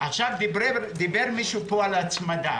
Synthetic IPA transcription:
aχʃavdibed̪ibeʁmiʃupoalat͡smad̪a

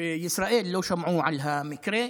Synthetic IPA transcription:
jɪsɾˤɑːʔiːlːawʃamʕuːʕalɦamɪkɾe

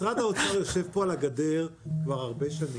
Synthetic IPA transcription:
ʁat̪aot͡saʁjoʃevpoalaɡad̪eʁkvaʁaʁbeʃani

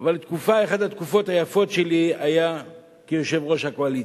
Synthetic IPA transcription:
valt̪kufaeχad̪at̪kufo̞t̪hajafo̞tʃe̞liaja | kejo̞ʃe̞vʁo̞ʃhakoalit͡s

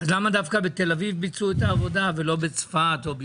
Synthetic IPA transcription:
azlamad̪afkabet̪e̞lavivbit͡suet̪aːvo̞d̪avelo̞bet͡sfat̪o̞b

